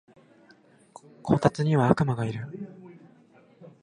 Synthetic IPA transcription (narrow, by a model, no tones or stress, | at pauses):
kʰo̞ːt̪at͡sɨɲ̟iβaakɯ̟maɡaiɾɯ̟